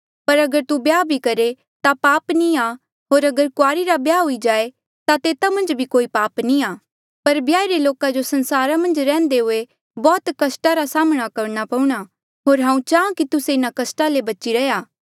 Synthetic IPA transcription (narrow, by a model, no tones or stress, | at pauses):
pɐɾɐɡəɾt̪ubjaːbʱikɐɾe | t̪apaːpnia | ɦoːɾɐɡəɾkʊaːɾiɾabjaːɦʊid͡ʒaːe | t̪at̪eːt̪amɐ̃nd͡ʒbʱikoːipaːpniaː | pɐɾbjaːiɾeloːkad͡ʒosɐ̃nsaːɾamɐ̃nd͡ʒɾɛ̃ːnd̪eɦʊe | bɔːt̪kɐsʈaɾasaːməɽ̃akɐɾñapɐ̃ũɽ̃a | ɦoːɾɦãːũt͡ʃaːãkit̪ʊseɪnakɐsʈalebɐt͡ʃiɾɐjaː